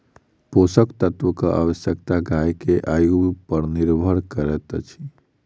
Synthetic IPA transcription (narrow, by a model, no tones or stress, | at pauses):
posəkt̪ət̪ʋəkəʔa̰ʋəsjəkt̪aɡajkeʔajoɡɡpəɾniɾbʱəɽkəɾɛt̪t͡ʃʰi̥